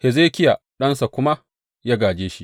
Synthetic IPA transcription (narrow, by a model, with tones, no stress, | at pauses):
he˨zeː˦kʲɪ˦ja˨ | ɗɐ˦nsa˨kʷʊ˦ma˦ | ja˦ɡaː˨d͡ʒeː˦ʃi˦ʔ